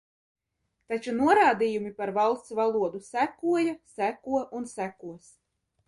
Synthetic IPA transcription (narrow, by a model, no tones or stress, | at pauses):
t̪at͡ʃunuɔɾaːd̪ijumipaɾvalˠst̪svalˠuɔd̪usækuɔjasækuɔʔunsækuɔs